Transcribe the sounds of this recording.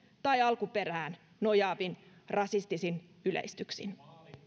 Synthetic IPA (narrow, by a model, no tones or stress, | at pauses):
t̪ɑjɑlkupe̞ɾæːn | no̞jɑːbinrɑsist̪isin | ylḛist̪yksḭn